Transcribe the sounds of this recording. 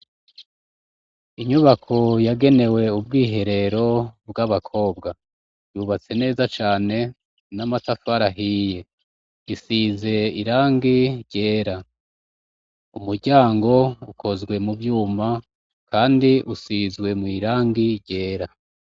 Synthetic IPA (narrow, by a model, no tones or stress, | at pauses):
iɲuβakʰo̞jaɡe̞ne̞we̞ub̚ɡiːɦe̞ɾe̞ɾo̞bɡaβakʰo̞ːbɡa | juβat͡se̞ne̞ːzat͡ʃaːne̞ | namatafaɾaɦije̞ | isize̞iɾaːŋɡiɾɟe̞ːɾa | umuɾɟaːŋɡo̞ukʰo̞zɡwe̞mubjuːma | kaːndiʔusizɡwe̞mwiɾaːŋɡiɾɟe̞ːɾa